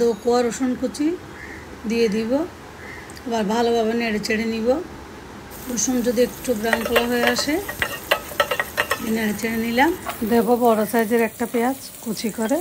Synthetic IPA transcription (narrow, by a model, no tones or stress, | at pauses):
d̪okoaɾoʃunkut͡ɕʰi | d̪ijed̪ibo | baɾbʱalobabaneɽet͡ɕeɽeniβo | oʃund͡ʑod̪iekːʈʰubɾaŋkolaɦoeaʃe | amineɽet͡ɕeɽenilamd̪ebobɔɾasad͡ʑeɾɛk̚ʈapeat͡ɕ | kut͡ɕʰikɔɾe